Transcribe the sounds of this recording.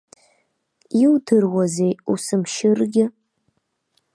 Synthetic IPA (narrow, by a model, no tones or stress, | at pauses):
iwdʰɨrwazejusɨmʃɪrɡʲɪ